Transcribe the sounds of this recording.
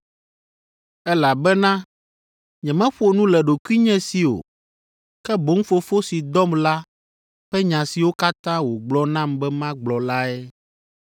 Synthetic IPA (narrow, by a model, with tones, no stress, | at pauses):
ɛ˦la˨bɛ˦nã˦ | ɲɛ̃˨mɛ̃˦ɸo˨nũ˦lɛ˨ɖo˨kwi˦ɲɛ̃˦si˨o̰˨ | kɛ˦bo˨˦ŋ̩˦fo˨fo˦si˨d̪ɔ˦mla˦ | ɸɛ˦ɲã˨si˨wo˦ka˦t̪ã˦wo˨ɡ͡blɔ˦nã˦˨mbɛ˦mã˦ɡ͡blɔ˨la˦ɛ˦